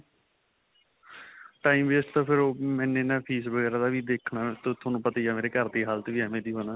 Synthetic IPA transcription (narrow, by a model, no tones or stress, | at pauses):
ʈaːiːmʋeːsʈt̪ãːpʰɪɾoːmɛ̃ːnẽːnaːpʰiːsʋəɡɛːɾaːd̪aːʋiːd̪eːkʰnaːt̪ot̪ʰoːnũːpət̪aiːjaːmeːɾeːkəɾd̪iːɦaːlt̪eʋiːɦɛːmẽːd̪iːɦoːnaː